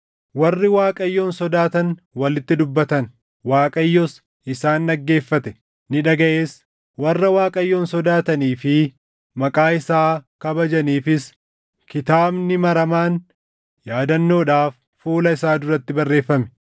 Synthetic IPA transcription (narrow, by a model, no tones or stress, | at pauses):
wɐrːɪwaːkʼɐjːo̞ːnsɔd̪aːt̪ɐn | wɐlɪt̪ːɪd̪ʊbːɐt̪ɐn | waːkʼɐjːɔs | ʔɪsaːnᶑɐɡːe̞ːfːɐt̪ɛ | nɪᶑɐɡɐʔe̞ːs | wɐrːɐwaːkʼɐjːoːnsɔd̪aːt̪ɐniːfɪ | mɐkʼaːɪsaːkɐbɐd͡ʒɐniːfɪs | kɪt̪aːbnɪmɐɾɐmaːn | jaːd̪ɐnːo̞ːᶑaːfːuːlɐɪsaːd̪ʊrɐt̪ːɪbɐrːe̞ːfːɐmɛ̥